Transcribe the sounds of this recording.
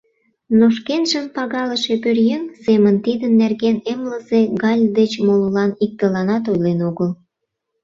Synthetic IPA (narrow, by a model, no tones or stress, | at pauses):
noʃkenʒəmpɑɣɑləʃepørjøŋsemənt̪id̪ənːerɣenemləzeɣɑlʲd̪et͡ɕmololɑnik̚t̪əlɑnɑt̪̬ojlenoɣəl